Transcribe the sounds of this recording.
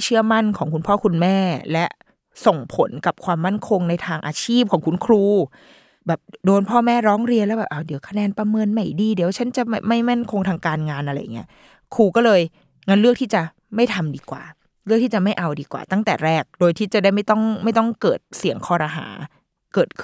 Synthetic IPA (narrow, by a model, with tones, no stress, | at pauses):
t͡ɕʰɯ˥˩ɐma˥˩nkʰɔː˩˦ŋkʰu˧npʰɔː˥˩kʰu˧nmɛː˥˩lɛ˦˥ʔ | so˨˩ŋpʰo˩˦nka˨˩p̚kʰwaː˧mːa˥˩nkʰo˧ŋna˧jt̪ʰaː˧ŋʔaː˧t͡ɕʰiː˥˩p̚kʰɔː˩˦ŋkʰu˧nkʰɾuː˧ | bɛː˨˩p̚doː˧npʰɔː˥˩mɛː˥˩ɾɔː˦˥ŋɾi˧ənlɛː˦˥bɛː˨˩ʔaː˧˩di˩˦wkʰa˧nɛː˧npa˧mɤː˧nma˨˩jdiː˧di˨˩˦wt͡ɕʰa˦˥nt͡ɕa˨˩ma˥˩ma˥˩jma˥˩nkʰo˧ŋt̪ʰaː˧ŋkaː˧nŋaː˧nʔa˧ɾa˧jːa˨˩ŋːi˦˥ɐ | kʰuː˧kɔː˥˩lɤː˧j | ŋa˦˥nlɯ˥˩i˥˩t͡ɕa˨˩ | ma˥˩jt̪ʰa˧mdiː˧kwa̰ː˨˩ | lɯ˥˩k̚t̪ʰiː˥˩t͡ɕa˨˩ma˥˩jʔa˧wdiː˧kwa̰ː˨˩t̪a˥˩ŋt̪ɛː˨˩ɾɛː˥˩k̚doː˧jt̪ʰiː˥˩t͡ɕa˨˩daː˥˩jma˥˩jt̪ɔ˥˩ŋma˥˩jt̪ɔ˥˩ŋkɤː˨˩t̪̚si˨˩˦əŋkʰɔː˧ɾaː˧ɦa̰ː˩˦ | kɤː˨˩t̪̚kʰ